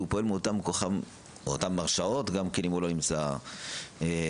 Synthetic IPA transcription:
upoelmeot̪amkoχam | ot̪amːaʁʃao̞tɡamkenimuloimt͡sa | e

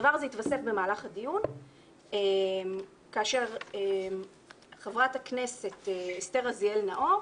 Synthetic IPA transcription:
vaʁzeitvasefbemaːlaχadijun | em | kaːʃe̞ʁem | χevʁathakne̞se̞t̪esteʁazielnaʔo

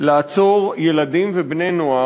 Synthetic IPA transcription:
laːt͡so̞ʁjeladimvebnenoa

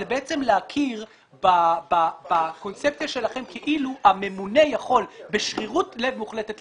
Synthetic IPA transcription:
ebeet͡semleakʰiʁ | bababako̞nt͡sep̚t͡sjaʃe̞laχe̞mkeʔiluame̞mune̞jaχo̞lbeʃχiʁutle̞vmuχletet

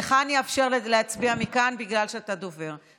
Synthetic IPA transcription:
eχanjafʃe̞ʁlleat͡sbiamikanbiɡlalʃeat̪ad̪ove̞ʁ

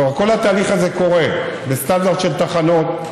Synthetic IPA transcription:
ko̞lhat̪aːliχazeko̞ʁebest̪and̪aʁd̪ʃelt̪aχano̞t̪

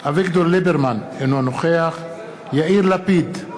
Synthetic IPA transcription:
avikd̪ollibeɾman | enuanoχeaχ | jaiɾlapid̪

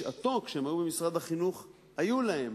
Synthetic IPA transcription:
at̪o̞kʃemaʁubemisʁad̪haχinuχ | hajulahe̞m

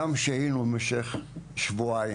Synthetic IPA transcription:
amʃeinumeʃeχʃvua

